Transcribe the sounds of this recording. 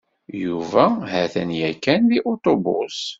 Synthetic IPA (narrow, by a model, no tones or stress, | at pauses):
juvæhæθænjækːænðiʔot̪ˤobʊ̰s